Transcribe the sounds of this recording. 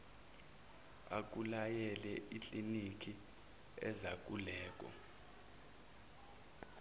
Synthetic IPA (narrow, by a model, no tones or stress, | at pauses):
a̰k̬ʼulajɛlɛʔit͡ɬʼinik̬ʰʼi | ɛ̰zak̬ʼulɛːk̬ʼɔ̰